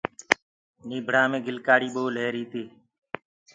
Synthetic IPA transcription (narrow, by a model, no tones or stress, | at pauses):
niːbʱɽãːmẽːɡʱɪlkaːɽiːɓooːleːɾiːt̪iː